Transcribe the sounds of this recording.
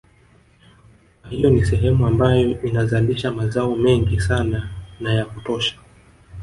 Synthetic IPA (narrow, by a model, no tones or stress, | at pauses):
kahijɔnisɛɦɛmuambajɔʔinazaliʃamazaɔmɛŋɡisananajakutɔʃḁ